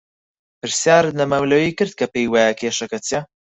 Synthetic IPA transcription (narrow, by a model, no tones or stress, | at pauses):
pɨɾsjaːɾnɐmɐwlɐwiːkɨɾd̪̚kʰɐpejwajɐkʰeːʃɐkɐt͡sʰjɐ